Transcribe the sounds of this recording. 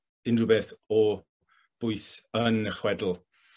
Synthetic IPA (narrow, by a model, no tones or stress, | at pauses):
ɪnrʊbɛθɔ | b̥ʊjsənəχwɛdl̩ˠ